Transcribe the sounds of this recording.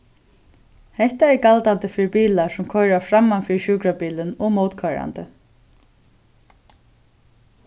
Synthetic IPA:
hɛht̪aɛɹkalt̪ant̪ɪfɪːɾɪpiːlasʊmkʰɔjɾafɾamːanfɪɹʃuːkɾapiːlɪnɔɣmowt̪kʰœɾa̰nt̪ɪ

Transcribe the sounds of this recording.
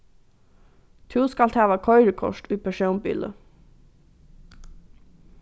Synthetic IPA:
t̪ʰʉːskɑlt̪ʰæːʋɑkʰɔʏɾəkʰɔ̰ʃtʉːpʰæʃœʊmbḭːlə̰

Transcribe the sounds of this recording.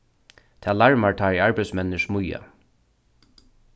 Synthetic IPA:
t̪ʰaːlaɹmaɹt̪ʰaːɹiaɹpaj̪smɛnːɪʂmʊja̰

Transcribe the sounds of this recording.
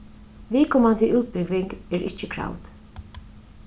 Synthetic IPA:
viːkʰɔːmand̪iʔuːt̪̚bɪɡʋɪŋɡɛɾʔɪ̰t͡ʃːəkʰɾa̰wt̪

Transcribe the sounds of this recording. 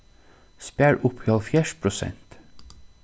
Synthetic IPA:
spæːɹʔʊphɪɑlfjæːʃpʰɾʊsɛ̰nt̪

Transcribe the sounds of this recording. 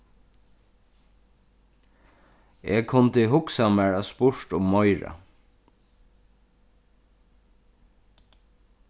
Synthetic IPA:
eːɡkʰʊnt̪ɪɦʊksamæɹaspʊɹt̪ʊmːɔjɹa̰

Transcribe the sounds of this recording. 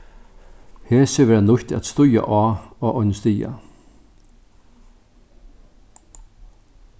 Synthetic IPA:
heːsəʋɛːɾanʊht̪ʰa̰t̪st̪ʊja̰ʔɑːɔʔɔnst̪iːa̰

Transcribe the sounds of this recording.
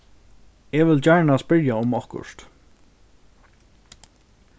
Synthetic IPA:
ɛʋɪlt͡ɕæɹɳaspɪɹjaʊmɔhkʊ̰ʂt̪

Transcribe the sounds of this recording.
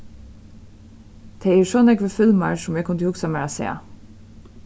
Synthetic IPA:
t̪ʰeːeːɹsɔːnɛkʋəfʏlmaɹsʊmɛkʰʊnt̪əhʊksamæːɹasḛːa̰

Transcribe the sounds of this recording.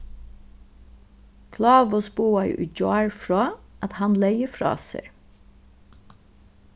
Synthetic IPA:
kʰlɑːʋɔsbuːɑj̰ʔʏd͡ʒɑːɹfɹɑːɑt̪hɑnleɪəfɾɑ̰ːsɛ̰ɹ

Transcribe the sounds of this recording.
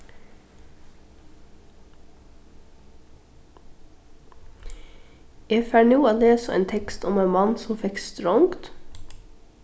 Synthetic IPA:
ɛfæɳuːɑːleːsəḛːnt̪ʰɛkst̪ʰʊmeːnmɑnsɔmfɛkst̪ɾɔʊŋkt̪

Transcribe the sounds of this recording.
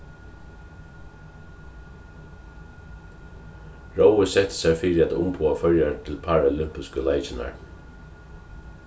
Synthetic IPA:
ɹoʊəsɛt̪ə̥sɛfiːɾɪat̪ʊ̰mpʰuːafœɹjat̪ʰɪlpʰaːɹalɪmpɪskəlaɪt͡ʃɪna̰ɹ

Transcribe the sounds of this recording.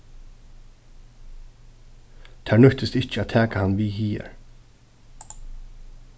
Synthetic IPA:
t̪ʰæːɹnʏht̪ɪst̪ɪht͡ʃæːt̪ʰæːkahanːviːhiːɛ̰ɹ

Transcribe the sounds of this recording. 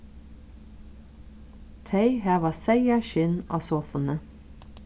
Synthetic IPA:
t̪ʰæɪhæːʋɑːsæɪɑʃʏnʔo̰ːsoːfənə

